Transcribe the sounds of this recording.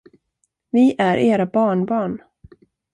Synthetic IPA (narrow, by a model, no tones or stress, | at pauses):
vɪʔæɾʔeːɾabɑːɳbɑːɳ